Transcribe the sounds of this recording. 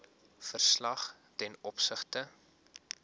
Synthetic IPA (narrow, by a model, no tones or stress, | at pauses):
fərslɐχ | tɛnɔpsəχtə